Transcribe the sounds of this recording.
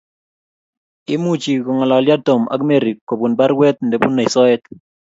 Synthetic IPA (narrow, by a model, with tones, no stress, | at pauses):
ɪ˦mu˦t͡ʃi˨kɔ˨ŋa˨la˨lja˦to˨ma̰˦ɡme˦˨ɾi˨kːo˨bu˨nba˦ɾwɛ˦t̪̚nde˨pu˦nːa˨i˨sɔ˦ɛ˦t